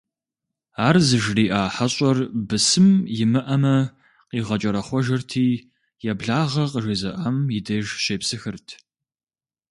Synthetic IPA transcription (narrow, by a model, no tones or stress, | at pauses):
aːrzɨʒriːʔaːħaɕʼɐrbɨsɨmjɪmɨʔɐmɐ | qiːʁɐt͡ʃʼɐɾɐχʷɔʒɐrtʰiː | jɛbɮaːʁɐqəʒezɐʔɐmjɪdɐʒʃeːpsɨxɨrtʰ